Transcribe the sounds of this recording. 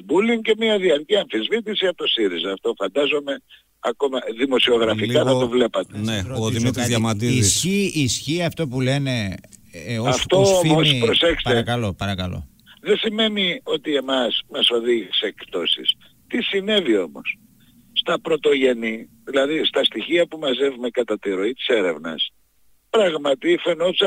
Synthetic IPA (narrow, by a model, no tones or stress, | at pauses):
buliŋce̞miɐðiɐɾciɐɱfizvit̪̬isiɐot̪osiɾizɐːft̪o̞fɐnd̪ɐzo̞me̞ | ɐ̰ko̞mɐðimo̞sio̞ɣɾɐfikɐθɐt̪o̞vle̞pɐt̪eneoðimit̪ɾizʝɐmɐt̪izssçiisçiɐft̪o̞pule̞ne̞ | oɐft̪oomospɾɾo̞sekspɐt̪ekɐlo̞pɐɾɐkɐlo̰ | ðesime̞nio̞t̪ie̞mɐsmɐso̞ðiʝiseekt̪o̞sḭs | t̪isine̞vio̞mo̞̰sː | t̪ɐpɾo̞t̪o̞ʝe̞niðilɐðist̪ɐst̪içiɐpumɐze̞vume̞kɐt̪ɐt̪iɾo̞it̪i̥se̞ɾe̞vnɐ̰s | pɾɐɣmɐt̪ifenop̪s